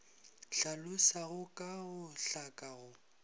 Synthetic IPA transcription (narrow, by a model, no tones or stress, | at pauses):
ɬalʊsaɣʊkʼaɣʊɬakʼaɣʊ